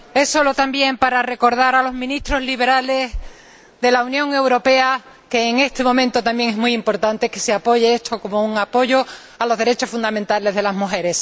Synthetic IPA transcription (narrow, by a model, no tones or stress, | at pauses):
e̞sːo̞lo̞t̪ambje̞mpaɾare̞ko̞ɾðaɾalo̞zmĩnist̪ɾo̞zliβ̞e̞ɾale̞s | ðe̞launjõ̞ŋe̞wɾo̞pe̞a | ke̞ːŋe̞st̪e̞mõ̞mẽnt̪ot̪ambje̞ŋe̞ɦmujimpo̞ɾt̪ant̪e̞ke̞seapo̞ʝeest̪ʰo̞ko̞mo̞uŋapo̞ʝo̞ | alo̞zðe̞ɾe̞t͡ʃo̞sfund̪amẽnt̪ale̞zðe̞lazmuxe̞ɾe̞s